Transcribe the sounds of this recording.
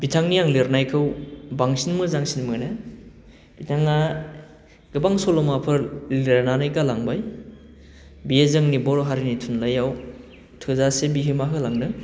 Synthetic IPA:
bitʰaŋnijaŋleɾnajkʰɯwbaŋsinmɯzaŋsinmɯna | b̥itʰaŋa | ɡɯbaŋsɔlɔmapʰɯɾleɾnanajkalaŋbaj | bijezɯŋnibɔɾoɦaɾinitʰunlajaw | tʰɯzasebiɦɯmaɦɯlaŋnɯ

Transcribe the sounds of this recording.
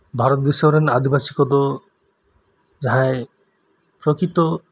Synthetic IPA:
bʱaɾot̪biʃɔɾenad̪ʱibasikɔd̪ɔ | d͡ʒaɦãe | pɾokɾit̪ɔ

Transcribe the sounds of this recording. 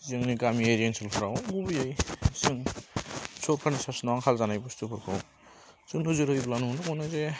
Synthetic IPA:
zɯŋniɡamieɾiensilpʰaɾawɡubɯjajsɯŋ | sʰoɾkʰanisasnawaŋkʰalzanajbɔstʰupʰɯɾkʰɯw | zɯnɯzɯɾhɯjblanunakunɯze

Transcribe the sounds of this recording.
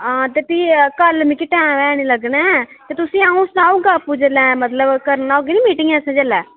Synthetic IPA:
ãːt̪eːpiːkəlmɪkiʈɛ̃ːmɛ̃ːñĩːləɡnɛːt̪eːt̪ʊsĩːaːũsnaːuɡaːpud͡ʒəlɛ̃ːmət̪ləbkəɾnaːoɡeniːmiːʈɪ̃ŋɡɛːəsãːd͡ʒəlɛː

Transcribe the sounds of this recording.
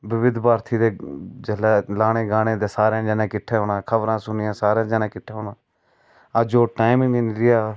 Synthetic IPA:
bɪʋɪd̪baːɾt̪ʰiːd̪eːd͡ʒəlɛːlaːɽ̃eːɡaːɽ̃eːd̪eːsaːɾãːd͡ʒɛːnãːkɪʈʰːeːɦoːnãːkʰəbɾãːsʊnɪjãːsaːɾãːd͡ʒaːnãːkɪʈʰːeːɦoːnãː | əd͡ʒoːʈaːɪmɪŋenɾɪjaː

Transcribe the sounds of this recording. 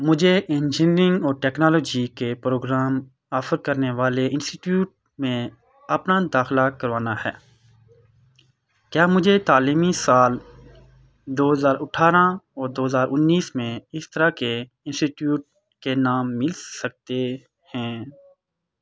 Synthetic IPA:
mʊd͡ʒʱeʔẽnd͡ʒɪ̃nɾɪ̃ŋɡɔːɾʈɛːknaːlɔːd͡ʒikepɾoːɡɾaːm | aːfəɾkɐɾneʋaːleɪ̃nsʈiʈjuːʈ̚ | mẽ | ɐpnad̪aːxlakɐɾʋaːnahɛ̰ː | kjaːmʊd͡ʒʱet̪aːliːmisaːl | d̪oːɦəzaːɾʔʊʈʰaːɾãɔːɾd̪oːɦəzaːɾʔʊnːiːsmẽɪst̪əɾake | ɪ̃nsʈiʈjuːʈ̚ | kenaːmːɪlsɐk̚t̪e | hɛ̃ː

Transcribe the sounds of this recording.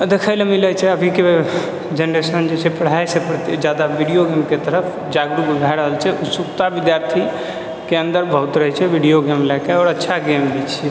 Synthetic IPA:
d̪ekʰəjlemilət͡ʃʰɛəbʱike | d͡ʒenɾesənd͡ʒet͡ʃʰɛpəɽ̤ajsepɾət̪id͡ʒad̪abiɽijoɡemket̪əɾəpʰ | d͡ʒaɡɾubəɡ̪ʱajɾəɦəlt͡ʃʰɛʔusukt̪abid̪jaɾt̪ʰi | keə̃nd̪əɾbʱəɦut̪ɾəɦɛt͡ʃʰɛbiɽijoɡemlɛkeɔɾətːʃʰaɡembit͡ʃʰɛ

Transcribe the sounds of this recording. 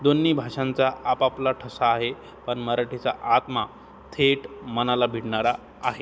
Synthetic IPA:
d̪onːiːbʱaʂãnt͡saʔapaplaʈʰəsaːɦe | pəɳməɾaʈit͡sa̰ʔat̪ma | t̪ʰeʈmənalabʱiɽɳaɾaː | ɦe

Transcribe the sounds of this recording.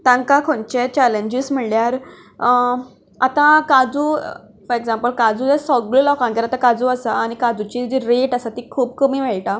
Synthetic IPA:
t̪ãŋkakʰont͡ɕet͡ɕaleɲd͡ʑism̤əɳljaɾ | at̪ãkad͡zuː | fəɾeɡsãmpəlkad͡zud͡ʑasɔɡɭəlɔkãŋɡeɾat̪ãkad͡zuasaːñikad͡zut͡ɕiːd͡ʑiɾeʈasat̪ikʰuːb̚kəmiːʋeɭʈa

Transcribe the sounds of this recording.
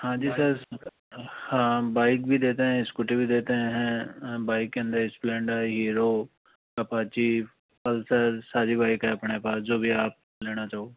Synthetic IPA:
hãːd͡ʒiːsəɾ | hãːbaːɪk̚bʱid̪eːt̪eɦɛ̃ɪskʊʈibʱid̪eːt̪eɦɛ̃ɦɛ̃baːɪkːeə̃nd̪əɾɪsplɛ̃ːɳɖaɦiːɾoː | kɐpaːt͡ʃi | pəlsəɾsaːɾibaːɪkɦɛɐpɳepaːsd͡ʒoːbʱiaːp̚ | leːɽ̃at͡ʃaːoː

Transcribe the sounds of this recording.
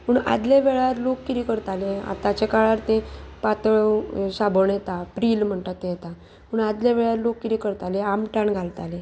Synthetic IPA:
məɳa̰d̪leʋeɭaɾlokːiɾikəɾt̪alea̰t̪at͡ɕekaɭaɾt̪ẽpat̪əɭsabəɳjet̪apɾiːlm̤əɳt̪at̪ːẽjet̪a | məɳad̪ljaʋeɭaɾlokːiɾikəɾt̪aleamʈaɳɡʱalt̪ale

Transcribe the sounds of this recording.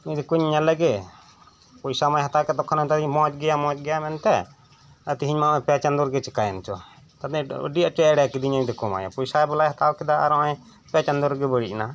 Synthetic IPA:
iɲd̪ɛkuɲɲalɛɡɛ | pɔjsamajɦat̪akɛt̪ɔkʰɔnat̪ad̪iɲmɔ̃d͡ʒɡɛjamɔ̃t͡ʃɡɛjamɛnt̪ɛ | ət̪iɦiɲmaɛpat͡ʃand̪ɔɾɡɛt͡ʃɛkajɛnt͡ʃɔ | t̪ad̪ɛə̰ɖiat͡ʃɔɛɽɛakid̪iɲaɲd̪ɛkɔma̰ja̰pɔjsabɛlajɦat̪abkɛd̪aa̰ɾɔãɲ | pat͡ʃand̪ɔɾɡɛbəɽiʔna

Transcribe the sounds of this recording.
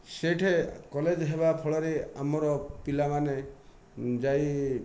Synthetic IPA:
seʈʰekɔled͡ʒɦebapʰɔɭɔɾea̰mɔɾɔpilamane | d͡ʒaj

